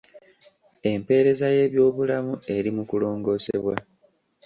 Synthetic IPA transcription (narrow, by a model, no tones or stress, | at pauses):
e̞mpe̞ːɾe̞zaje̞ːβjo̞ːβulamue̞ɾimukulo̞ːŋɡo̞ːse̞̰βwa̰